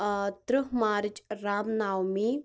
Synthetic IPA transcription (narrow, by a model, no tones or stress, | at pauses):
t̪ɾɨɦmaːɾɪt͡ʃɾaːmnaːwmi